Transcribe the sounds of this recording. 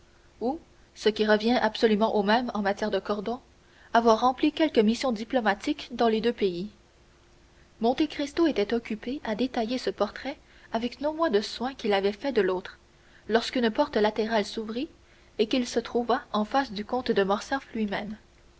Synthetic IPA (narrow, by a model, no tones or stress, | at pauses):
u | səkʲiʁəvjɛ̃ʔabsɔlymɑ̃ʔomɛmɑ̃mat̪jɛːʁd̪əkɔʁd̪ɔ̃ | avwaʁːɑ̃plikʲɛlkəmisjɔ̃d̪iplɔmat̪ikd̪ɑ̃led̪øpei | mɔ̃t̪ekʁist̪oet̪ɛt̪ɔkʲypeʔad̪et̪ajesəpɔʁt̪χɛ | avɛknɔ̃mwɛ̃d̪əswɛ̃kʲilavɛfɛd̪əloːt̪χ | lɔʁskynpɔʁt̪əlat̪eʁalsuvʁi | ekilsət̪χuvaɑ̃fasd̪ykɔ̃t̪d̪əmɔʁsɛflɥimɛm